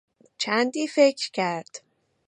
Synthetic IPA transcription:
t͡ʃʰænd̪iːfecʰɾcʰæɾd̪̥

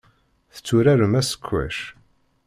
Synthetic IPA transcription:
θə̥t͡sːuɾæɾəmæsə̥kʷʰːæ̰ʃ

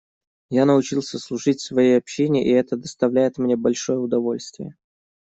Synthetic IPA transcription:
janəʊt͡ɕilˠsʲəslˠʊʐɨtʲsvɐjejɐpɕːenʲɪʔiɛt̪əd̪əst̪ɐvlʲæjɪt̪mnʲe̞bɐlʲʂo̞jəʊd̪ɐvo̞lʲst̪vʲɪ̰jə

